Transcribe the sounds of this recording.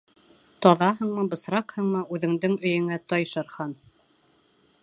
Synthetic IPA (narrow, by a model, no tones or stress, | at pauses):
t̪ɒðɑɦɤɴmɤbɤ̆sɾɑqhɤɴmɤʉðɘ̆ŋd̪ɘŋɵ̆jɘ̆ŋæt̪ɑjʃɤ̆ɾhɑn